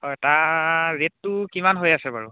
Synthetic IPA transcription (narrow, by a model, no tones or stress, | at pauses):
ɔtaɹetːʊkimanɦojasɛbaɹu